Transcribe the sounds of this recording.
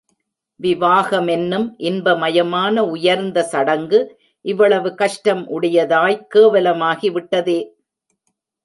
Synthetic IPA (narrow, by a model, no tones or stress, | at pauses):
ʋɪʋaːɣɐmɛnːɯmʔɪnbɐmɐjɐmaːnɐʊjɐɾnd̪ɐsɐɽɐŋɡɯ | ʔɪʋːɐɭɐʋɯkɐʂʈɐmʔʊɽɐjɐðaːjkeːʋɐlɐmaːɣiʋɪʈːɐðeː